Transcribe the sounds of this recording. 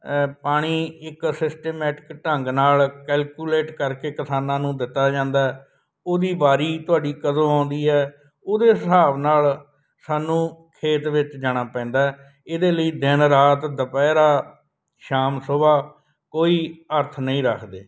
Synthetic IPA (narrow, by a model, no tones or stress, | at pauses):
paːɽ̃iːɪksɪsʈeːmɛːʈɪ̥kʈəŋɡnaːlkɛːlkjuːleːʈkəɾkeːkəsaːnãːnũːd̪ɪt̪ːaːd͡ʒãːnd̪aːɛː | oːd̪iːbaːɾiːt̪ʊaːɖiːkəzõːãːnd̪iːɦɛː | oːd̪eːsəaːʋnaːl | saːnũːkʰeːt̪ʋɪt͡ʃd͡ʒaːɽ̃aːpɛ̃ːnd̪aːɛ | ɪd̪eːləiːd̪ɪnɾaːt̪d̪əpɛːɾaː | ʃaːmsoːbaː | koːiːəɾt̪ʰnəĩːɾəkʰd̪eː